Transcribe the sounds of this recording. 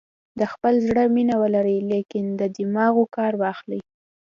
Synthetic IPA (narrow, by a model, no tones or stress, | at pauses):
d̪əxpəlzɽəminawəlaɾijlekɪnd̪əd̪ɪmɑɣokɑɾwaːxlij